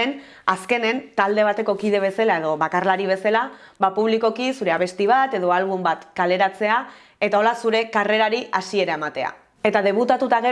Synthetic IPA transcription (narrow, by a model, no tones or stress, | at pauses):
en | aske̞ne̞nt̪ald̪e̞β̞at̪e̞ko̞kið̞e̞β̞e̞salae̞ðo̞βakarlaɾiβ̞e̞salaβapuβ̞liko̞kisuɾe̞aβe̞st̪iβ̞at̪e̞ðo̞alβumbat̪kale̞ɾat͡se̞a | e̞t̪ao̞lasuɾe̞kare̞ɾaɾiʔasie̞ɾae̞mat̪e̞a̰ | e̞t̪aðe̞β̞ut̪at̪ut̪aɣe